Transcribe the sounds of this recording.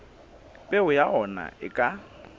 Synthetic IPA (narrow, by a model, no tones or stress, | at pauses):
pʼɛʊjaʔɔna̰ɪ̰kʼa